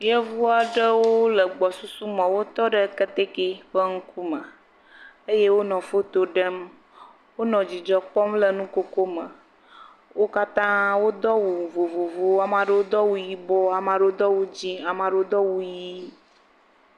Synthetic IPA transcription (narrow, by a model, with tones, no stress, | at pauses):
jə˦vu˦a˨ɖə˦wo˦lə˨ɡ͡bɔ˨su˦su˦mə̃˨wo˦t̪ɔ˦ɖə˦kə˦t̪e˦ke˦ɸə˦ŋ̩˦ku˦mə˨ | ə˦je˦wo˦nɔ̃˨fo˦t̪o˦ɖə˦m | wo˦nɔ̃˨d͡ʑi˨d͡ʒɔ˨k͡pɔ˦mlə˨nũ˦ko˦ko˦mə̃˨ | wo˦ka˦t̪ã˦wo˦d̪ɔ˦wu˨vo˨vo˨vo˦a˨mã˨ɖə˦wo˦d̪ɔ˦wu˨ji˦bɔ˦a˨mã˨ɖo˦o˦d̪ɔ˦wo˦d͡ʑi˦a˨mã˨ɖo˦o˦d̪ɔ˦wu˦ji˦